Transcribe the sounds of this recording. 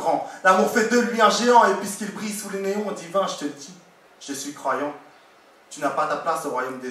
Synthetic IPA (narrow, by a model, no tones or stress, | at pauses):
ʁɑ̃lamuʁfɛd̪əlɥiɛ̃ʒeɑ̃epɥiskʲilbʁisuleneɔ̃d̪ivɛ̃ʒət̪əd̪i | ʒ̥əsɥikχwajɑ̃ | t̪ynapat̪aplasoʁwajomd̪e